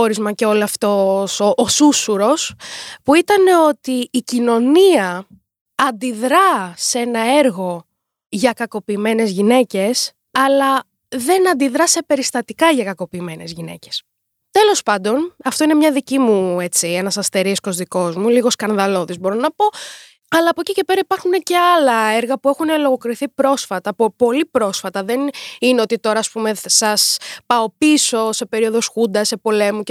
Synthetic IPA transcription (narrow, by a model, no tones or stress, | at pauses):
oɾizmɐce̞o̞lɐft̪osoʔːsusuɾo̞spuit̪ɐne̞o̞t̪iːcino̞niɐ | ɐnd̪iðɾɐsenɐe̞ɾɣo̞ | ʝɐkɐko̞piːme̞ne̞zʝine̞ce̞s | ɐlɐ | ðe̞nɐnd̪iðɾɐse̞pe̞ɾist̪ɐt̪ikɐʝɐkɐko̞piːme̞ne̞̰zʝine̞̰ces | t̪e̞lo̞spɐnd̪o̞nɐft̪o̞inemɲɐðicimue̞t͡siɐnɐsɐst̪eɾisko̞zðiko̞zmuliɣo̞skɐnðɐlo̞ðizbo̞ɾo̞nɐpo̞ | ɐlɐːpocice̞peɾɐipɐɾxunece̞ɐlɐeɾɣɐpue̞xunelo̞ɣo̞kɾiθipɾo̞sfɐt̪ɐpopo̞lipɾo̞sfɐt̪ɐðe̞nineo̞t̪it̪o̞ɾɐːspume̞sɐspɐo̞piso̞se̞pe̞ɾio̞ðo̞sxund̪ɐse̞po̞le̞muc